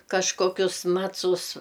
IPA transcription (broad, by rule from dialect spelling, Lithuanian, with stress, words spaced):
kɐʃkoːˈkʲʊs ˈmɑːt͡sʊs